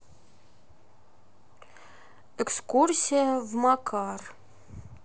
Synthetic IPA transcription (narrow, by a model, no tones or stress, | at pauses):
ɛkskursʲijəvmɑkʰɑr